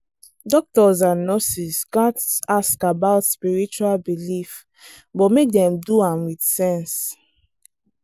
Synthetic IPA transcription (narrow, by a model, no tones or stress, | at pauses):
dɔk̚tɔzãnːɔsisɡatsaskabaʊtspiɹit͡ʃualbilif | bɔtmek̚dɛ̃mduãmwidsɛ̃ns